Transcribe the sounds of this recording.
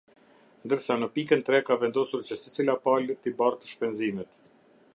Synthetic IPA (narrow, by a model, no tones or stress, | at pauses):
nd̪əɾsanəpikənt̪ɾɛkavɛnd̪ɔsuɾt͡ɕəsət͡silapalt̪ibart̪əʃpɛnzimɛt̪